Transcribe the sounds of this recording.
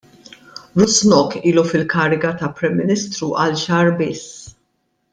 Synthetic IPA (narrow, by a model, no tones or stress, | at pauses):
ɾʊsnɔkiːlufɪlkɐːɾɪɡɐt̪ɐpːɾɛmːɪnɪst̪ɾuʔɐlʃɐːɾbɪs